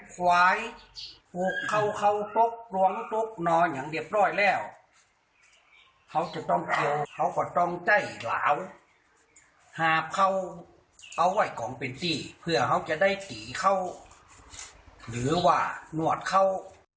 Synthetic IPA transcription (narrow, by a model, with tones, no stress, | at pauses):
kʰwaː˧˥jpuː˧kʰːa˧˩˨wkʰa˧˩wt̪o˧˦k̚lu˧əŋt̪o˧˥k̚nɔː˧ɲa˨˦ŋdi˧˩əp̚nɔː˧˥˩jlɛː˧˩w | ha˧˩˨wt͡ɕa˧˩t̪ɔ˧˥˩ŋkʰi˧wha˧˩wkɔː˧˩t̪ɔ˧˥˩ŋt͡ɕa˧˩jla̰ː˨˦w | haː˧p̚kʰa˧˩˨w | ʔa˧˩wwa˧˩jkɔː˨˦ŋpe˨nt̪iː˧˩pʰɯ˧˩ɐha˧˩wt͡ɕa˧da˥˩jt̪iː˨˦kʰa˧˥˨w | lɯː˨˦waː˧˩nu˧˩ət̪̚kʰa˧˥˩w